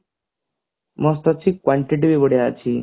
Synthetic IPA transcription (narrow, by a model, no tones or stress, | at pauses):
mɔst̪ɔt͡ɕikwaɳʈiʈ̬iʋibəɽeat͡ɕʰi